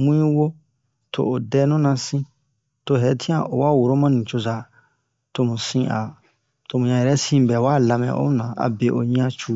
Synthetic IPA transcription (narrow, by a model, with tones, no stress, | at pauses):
mũ˦ɲĩ˦wo˦ | tʰo̰˨o˨dɛː˦nũ˦nã˧sĩ˦ | to˧ɦɛ˨˦tʰĩ˦ã˨ʔo˨wa˦˨wo˨ɾo˦mã˦nĩ˨t͡ʃo˧za˨ | to˦mũ˨sĩ˦ʔa̰˨ | to˧mũ˨ɲã˧˨jɛ˨ɾɛ˦sĩ˦bɛ˨wa˦la˧mɛ̰̃˨ʔo̰˦m˦nã˨a̰˨be˨ʔo̰˨ɲĩ˦ã˦t͡ʃu˦